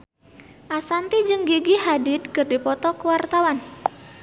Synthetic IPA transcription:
ʔasant̪id͡ʒɨŋɡiɡihadɪd̪̚kɨrdipɔt̪ɔkəwart̪awan

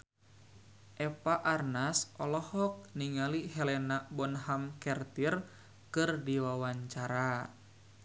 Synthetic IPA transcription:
ʔɛpaʔarnasʔɔlɔhɔk̚niŋaliɦɛlɛnabɔnɦamkɛrt̪ir | kɨrdiwawaɲt͡ʃaɾa

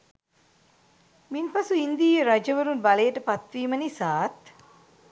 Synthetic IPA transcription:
minpɐsuind̪iːjeɾad͡ʒəʋəɾunbalejəʈəpat̪ʋiːmənisaːt̪

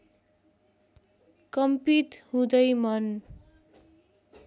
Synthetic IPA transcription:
kʌmpit̪hũd̪ʌjmʌn

